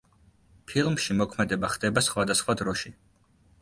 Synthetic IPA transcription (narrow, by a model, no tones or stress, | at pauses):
pʰilˠmʃimɔkʰmɛd̪ɛbaχd̪ɛbasχwad̪asχwad̪ɾɔʃi